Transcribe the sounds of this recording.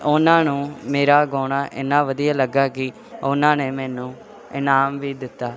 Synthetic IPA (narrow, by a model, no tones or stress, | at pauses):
ʊnãːnũːmeːɾaːɡoːɽaːʔɪ̰nːãːʋəd̪ijaːləɡːaːkɪ | ʊnãːneːmɛ̃ːnũː | ɪnaːmʋiːd̪ɪt̪ːaː